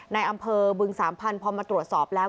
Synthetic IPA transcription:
na˧jʔa˧mpʰɤː˧bɯ˧ŋsaː˩˦mpʰa˧npʰɔː˧maː˧t̪ɾu˨˩ət̪̚sɔː˨˩p̚lɛː˦˥

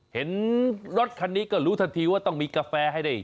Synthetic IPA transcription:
he˩˦nɾo˦˥t̪̚kʰa˧nːiː˦˥kɔː˥˩ɾuː˦˥t̪ʰa˧nt̪ʰiː˧waː˥˩t̪ɔ˥˩ŋmiː˧kaː˧fɛː˧ɦa˥˩jda˥˩j

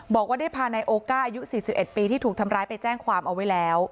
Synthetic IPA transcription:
bɔː˨˩k̚waː˥˩da˥˩jpʰaː˧na˧jʔoː˧kaː˥˩ʔa˧ju˦˥siː˨˩si˨˩pʔe˨˩t̪̚piː˧t̪ʰiː˥˩t̪ʰuː˨˩kt̪ʰa˧mɾaː˦˥jpa˧jt͡ɕɛː˥˩ŋkʰwaː˧mʔa˧wa˦˥jlɛː˦˥w

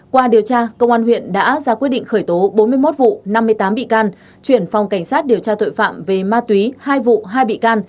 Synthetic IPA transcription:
kwaː˧ɗi˨˩əwt͡ɕaː˧kə˧wŋ͡mʔaː˧nhwḭ˧˨ənɗa̰ː˧˥zaː˧kwt̚ɗḭ˧˨ŋ̟xəː˧˩jt̪o˨˦ɓo˨˦nmɨ˧əjmo˦˥t̚vṵ˧˨na˧mːɨ˧əjt̪aː˨˦mɓḭ˧˨kaː˧n | t͡ɕwi˧˩ənfa˨˩wŋ͡mka˧˩ŋ̟saː˦˥t̚ɗi˨˩əwt͡ɕaː˧t̪o̰˧˨jfa̰ː˧˨mve˨˩maː˧t̪wi˨˦haː˧jvṵ˧˨ɦaː˧jɓḭ˧˨kaː˧n

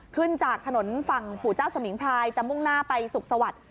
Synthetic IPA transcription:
kʰɯ˥˩nt͡ɕaː˨˩k̚t̪ʰa˧no˩˦nfa˨˩ŋpʰuː˨˩t͡ɕaː˥˩wsa˧mi˩˦ŋpʰɾaː˧jt͡ɕa˨˩mu˥˩ŋnaː˥˩pa˧jsu˨˩k̚sa˧wa˨˩t̪̚

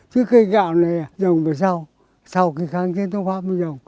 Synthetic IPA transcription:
t͡ɕɨ˨˦kə˧ɣa̰ː˧˨wna˨˩ja˨zə˨˩wŋ͡mvə˨˩jsa˧w | sa˧wki˧˩xaː˧˩ŋt͡ɕi˧˦nt̪ŋfaː˦˥p̚mi˧˨˩zə˨˩wŋ͡m

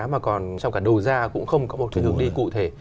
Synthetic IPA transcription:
maː˨˩kɔ˨˩nt͡ɕɔ˧ŋ͡mkaː˧˩ɗə˨˩zaː˧kʊ̰˧˥ŋ͡mxə˧wŋ͡mkɔ˨˦mo˨˩t̚k̪i˨˧˩həŋɗi˧kṵ˧˨t̪ʰe˧˩

